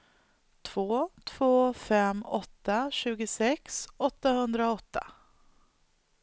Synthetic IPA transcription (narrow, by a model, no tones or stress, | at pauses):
t̪ʰv̥oːt̪ʰv̥oːfɛmːɔt̪ːaɕʉ̟ːɡʊsɛksɔt̪ːahɵnd̪ɾaɔt̪ːa